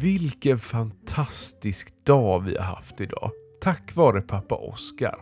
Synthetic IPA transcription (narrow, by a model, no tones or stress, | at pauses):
vɪlkənfant̪ʰast̪ɪskd̪̥ɑːvɪ̰ha̰ɾha̰ft̪ɪd̪ɑ̰ːt̪ʰakːvɑːɾəpʰapːa̰ʔɔ̰ska̰ɾ